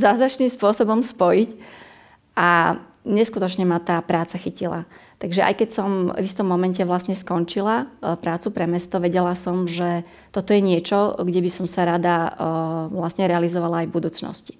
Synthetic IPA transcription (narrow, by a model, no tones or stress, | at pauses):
zaːzɾat͡ʃnimspʊɔsɔbɔmspɔjic | ʔa | ɲɛskut̪ɔt͡ʃɲɛmat̪aːpɾaːt͡saxicila̰t̪aɡʒɛʔa̰jkɛcsɔmvist̪ɔmːɔmɛncɛʋlasɲɛskɔnt͡ʃilapɾaːt͡supɾɛmɛst̪ɔʋɛɟɛlasɔmʒɛ | t̪ɔt̪ɔjɛɲɪɛt͡ʃɔɡɟɛbisɔmsaɾad̪a | ʋlasɲɛɾɛalizɔʋalaːjvbud̪uːt͡snɔ̰sci̥